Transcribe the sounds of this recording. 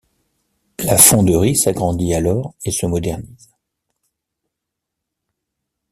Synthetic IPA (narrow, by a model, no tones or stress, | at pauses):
lafɔ̃d̪əʁisaɡʁɑ̃d̪ialɔʁesəmɔd̪ɛʁniz